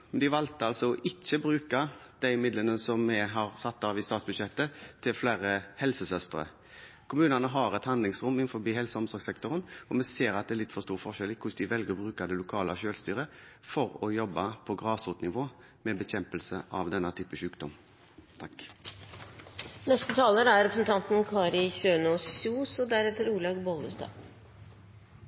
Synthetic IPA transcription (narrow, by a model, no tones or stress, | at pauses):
mɛnd̪ɪʋɑlt̪əɑlsɔɔʔɪt͡ʃːəbɾʉːkɑd̪æɪɪmɪd̪lənəsɔmːɛɦɑɾsɑt̪ːɑːʋɪst̪ɑːt̪sbʉd̪ʃɛt̪ːət̪ʰɪlflæːɾəhɛlsəsœst̪əɾə̰ | kʰʊmʉːnɑnəɦɑɾɛt̪hɑnd̪lɪŋsʁʊmɪnfɔɾbiːhɛlsəɔmsɔɾɡsɛkt̪ɔʁənɔmɛseːɾɑt̪d̪ɛɾlɪt̪ːfɔst̪uːʁfɔʃɛlɪkʰʊsd̪ɪʋɛlɡəʁbɾʉːkad̪ɛlʊkʰɑːlə̰ʃøːlst̪yːɾə | fɔʁɔjɔbːɑpʰɔɡʁɑːsuːt̪nɪʋoː | mɛbɛçɛmpəlsəʔɑʋd̪ɛnːət̪ʰyːpəʃʉːkd̪ɔm | t̪ʰɑk | nɛst̪ət̪ʰɑːləɾæɾɛpɾsɛn̩t̪ʰɑnt̪n̩kʰɑːɾɪçøːɳoːsuːsɔd̪æɾɛt̪ːəɾuːɭɑɡbɔləst̪ɑ̰ː